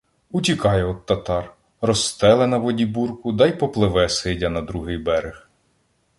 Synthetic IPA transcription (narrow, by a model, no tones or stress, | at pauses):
utʲikɑjɛɔt̪ːɐt̪ɑr | rɔst̪ɛlˠenɐʋɔdʲiburkʊd̪ɑjpɔplˠɪʋɛsɪdʲɐnɐd̪ɾuɦɪjbɛɾex